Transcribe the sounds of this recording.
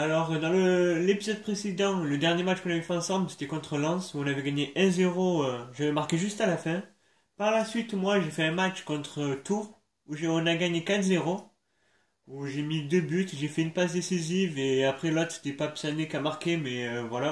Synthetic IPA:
alɔʁd̪ɑ̃ləlepizɔd̪̚pχesed̪ɑ̃ləd̪ɛʁnjematt͡ʃkɔ̃navɛfɛɑ̃sɑ̃blse̥t̪ɛkɔ̃t̪χəlɑ̃suɔ̃navɛɡaɲeʔɛ̃zeʁoøʒavɛmaʁkeʒyst̪alafɛ̃ | paʁlasɥit̪mwaʒefɛɛ̃mat͡ʃkɔ̃t̪χət̪uʁ | uʒeɔ̃naɡaɲekat̪χzeʁo | uʒemid̪øbyt̪ʒefɛynpasd̪esiziveapχɛlɔt̪χse̥t̪ɛpapsanekamaʁkemɛøvwala

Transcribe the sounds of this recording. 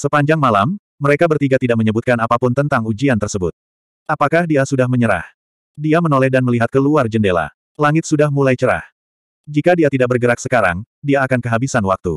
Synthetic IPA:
səpaɲd͡ʒaŋmalamː | əɾekabərt̪iɡat̪idaʔ̚məɲəbut̪̚kanapapʊnt̪ənt̪aŋud͡ʒiant̪ərsəbʊt̪̚ | ʔapakahdiasudahməɲəɾa̰h | diamənolɛhdanməliɦat̪̚kəluard͡ʒəndela̰ | laŋɪt̪̚sudahmulajt͡ʃəɾa̰h | d͡ʒikadiat̪idaʔ̚bərɡəɾak̚səkaɾa̰ŋ | diaːkankəɦabisanwak̚t̪ṵ

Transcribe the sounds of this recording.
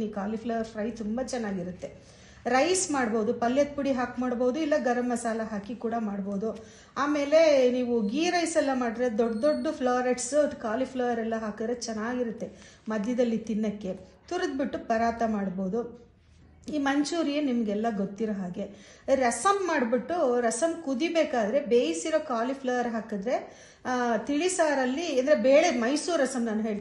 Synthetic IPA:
iːkaːlipʰlɐʋɐɾfɾɐjt̪umbɐt͡ʃɛnːaːɡiɾut̪ːe̞ | ɾɐjsmaːɽbo̞ːd̪upɐljɐt̪̚puɽiɦaːkmaːɽboːd̪uilːɐɡɐɾɐmɐsaːlɐɦaːkikuːɽɐmaːɽbo̞ːd̪u | aːme̞ːle̞niːʋuɡiːɾɐjsɛlːɐmaːɽid̪ɾed̪oɖd̪oɖːupʰlaːɾeʈsɐd̪ukaːlipʰlɐʋɐɾɛlːɐɦaːkɐd̪ɾet͡ʃɛnːaːɡiɾut̪ːe̞ | mɐd̪ʱjɐd̪ɐlːit̪inːɐkːe̞t̪uɾɐd̪̚biʈːupɐɾaːt̪ɐmaːɽboːd̪u | iːmɐɲt͡ʃuːɾijenimɐɡɛlːɐɡot̪ːiɾɐɦaːɡe̞ | ɾɐsɐmːaːɽbiʈːuɾɐsɐmkud̪ibeːkaːd̪ɐɾe̞beːjsiɾoːkaːlipʰlɐʋɐɾɦaːkɐd̪ɾe̞ | t̪iɭisaːɾɐlːiɐnd̪ɐɾebeːɭemɐjsuːɾɐsɐmnaːnuɦeːɭt̪

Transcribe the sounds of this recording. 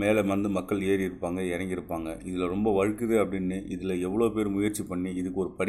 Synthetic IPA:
meːlɐmʋɐnd̪ɯmɐkːɐɭeːɾɪɾɯpːaːŋɡɐɛɾɐŋɡɪɾɯpːaːŋɡɐɪðɪlɐɾɔmbɐʋɐɻɯkːɯðeɐpːɐɽɪnːɯʔɪðɪlɐɛʋːɐɭoːpeːɾmʊjɐɾt͡ʃːipɐɳːiɪðɯkːɯɔɾɯpɐɽ

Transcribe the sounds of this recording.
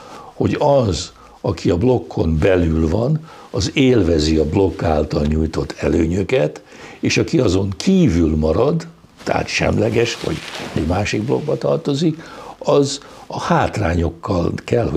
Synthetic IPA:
ho̞ɟɒz | ɒkʰiɒblo̞kʰːo̞mbɛlylvɒn | ɒzeːlvɛziɒblo̞kːaːlt̪ɒlɲuːjt̪o̞t̪ʰːɛløːɲøkɛt̪ | eːʃɒkiɒzo̞ŋkʰiːvylmɒɾɒd̪ | t̪a̰a̰t̪ʃɛ̰mlɛɡɛʃʋɒ̰ɟɛɟmaːʃiɡ̚blo̞̰ɡ̚bɒt̪ɒrt̪o̞zikɒzɒhaːt̪raːɲo̞kːɒlkɛlho

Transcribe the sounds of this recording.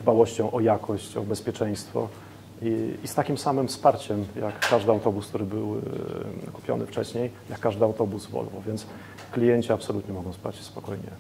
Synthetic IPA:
d̪bawɔɕt͡ɕɔ̃w̃ʔɔjakʰɔɕt͡ɕɔbɛspʲjɛt͡ʂɛj̃st̪fɔ̰ | ist̪akʲimfsamɘmfspaɾt͡ɕɛmjakːaʐd̪ɘawt̪ɔbusk̚t̪uɾɘbɘw | kupʲjɔ̰nɘft͡ʂɛɕɲejjakːaʐd̪ɘawt̪ɔbusvɔ̰lvɔ̰vʲjɛns | klʲijɛɲt͡ɕiapsɔlut̪ɲɛmɔɡɔ̃w̃spat͡ɕɕɛspɔkɔjɲɛ̰

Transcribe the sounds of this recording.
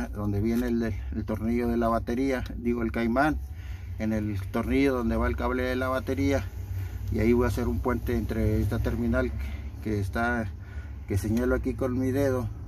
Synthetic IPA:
d̪ond̪eβjenellt̪oɾnioðelaβat̪eɾiad̪iɣoelkajman | enelt̪oɾniʝoðond̪eβaelkaβleðelaβat̪eɾiaiaiβojaseɾumpwent̪eːnt̪ɾees̬t̪at̪eɾminalkest̪a | keseɲaloakikonmiðeðo

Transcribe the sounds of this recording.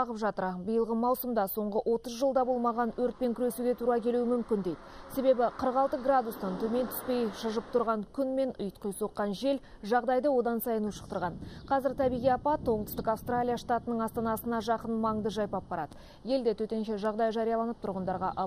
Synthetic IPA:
ɑʁəpʒɑt̪əɾbəjəlˠʁəmɑwsəmd̪ɑso̞ɴʁəʔo̞t̪əzʒəlˠd̪ɑbo̞lˠmɑʁɑnwɵɾt̪̚pe̞ŋkʲʰʏɾe̞suɡʲe̞t̪ʰuɾɑkʲʰe̞luɪmʏmkʲɪnd̪e̞jd̪ɪse̞be̞bɪqʰəɾəqɑlˠt̪əɡrad̪ust̪ɑnt̪ʰɵme̞nt̪ʰʏ̥spe̞jʃəʒəp̚t̪ʰʊɾʁɑŋkʲʰʏnme̞nʊ̰jt̪qəjso̞qːɑnʒe̞l | ʒɑʁd̪ɑjd̪əwo̞d̪ɑnsɑjənuʃə̥q̚t̪əɾʁɑnqʰɑzɪɾt̪ʰæbijʁijɑpɑt̪woɴt̪əʏst̪ɪkafst̪ralʲijaʂt̪at̪ənəɴɑst̪ɑnɑsənɑʒɑqənmɑɴd̪əʒɑjpɑpːɑɾɑ̰d̪ə | je̞ld̪et̪ʰɵt̪e̞nʃe̞ʒɑʁd̪ɑjʒɑɾijɑlˠɑnəp̚t̪ʰʊɾʁənd̪ɑɾʁɑ̰ʔɑ

